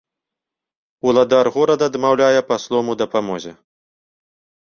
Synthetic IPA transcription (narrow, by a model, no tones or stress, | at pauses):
ulˠad̪arɣɔɾɐd̪ɐd̪mawlʲajɛpaslˠɔmud̪ɐpamɔzʲɛ